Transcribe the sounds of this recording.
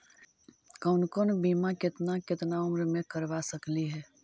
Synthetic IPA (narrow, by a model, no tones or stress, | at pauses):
kəʊnkonbimakɪt̪nakɪt̪naʊmɾmẽkəɾʋasəkliɦɛː